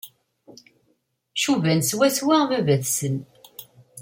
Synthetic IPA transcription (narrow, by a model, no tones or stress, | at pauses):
ʃuvænswæswivævæθsən